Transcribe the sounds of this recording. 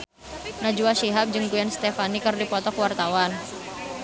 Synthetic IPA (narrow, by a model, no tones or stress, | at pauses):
nad͡ʒuaʃiɦap̚d͡ʒɨŋɡuɛnst̪ɛfanikərdipɔt̪ɔkwart̪awan